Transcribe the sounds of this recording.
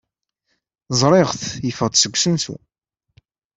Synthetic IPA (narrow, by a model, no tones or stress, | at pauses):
zˤɾˤɪʁθjəfəʁd̪səɡʷːsənsṵ